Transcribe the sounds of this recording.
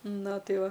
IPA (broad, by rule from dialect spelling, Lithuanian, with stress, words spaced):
ˈnɐ ˈtɐɪ ˈʋɐ